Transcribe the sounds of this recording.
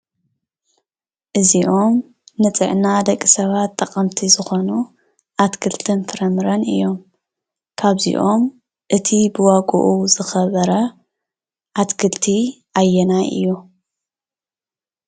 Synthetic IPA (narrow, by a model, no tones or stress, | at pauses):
ʔɨziʔo̞m | nɨt͡sʼɨʕnad̪ɐkʼːisɐβat̪ʼːɐkʼɐmt̪ʰizɨxo̞nu | ʔat̪kʰɨlt̪ʰɨnfʰɨɾɐmɨɾɐnɨ̰jːo̞m | kʰaβzḭʔo̞m | ʔɨt̪ʰibɨwaɡʼṵʔuzɨxɐβɐɾɐ | ʔat̪kʰɨlt̪ʰi | ʔajːɛnaʔɨ̰jːu